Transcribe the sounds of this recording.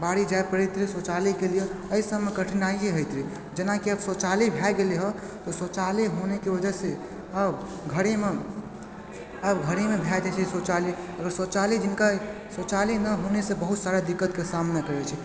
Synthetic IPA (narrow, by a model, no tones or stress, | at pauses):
baɽid͡ʒaepəɾit̪ɾisot͡ʃalikelijɔəisəmːekəʈʰinaieɦojt̪ɾi | d͡ʒenakiəbsot͡ʃalibʱɛɡeliɦɔ | t̪ɔsot͡ʃaliɦonekebəd͡ʒəse | əb | ɡʱəɾeme | əbɡʱəɾemebʱɛd͡ʒat͡ʃʰisot͡ʃaliəɡəɾsot͡ʃalid͡ʒinka | sot͡ʃalinəɦonesebəɦut̪saɾad̪ikːət̪kesamnekəɾɛt͡ʃʰi